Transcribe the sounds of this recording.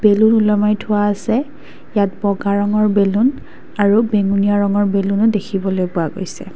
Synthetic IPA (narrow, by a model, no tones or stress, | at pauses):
b̥elunulɔmajtʰʊaːsɛ | jat̚bɔɡaɹɔŋɔɹbelun | aɹubeŋunijaɹɔŋɔɹbelunʊdekʰibɔlojpʊaɡo̰jsɛ̰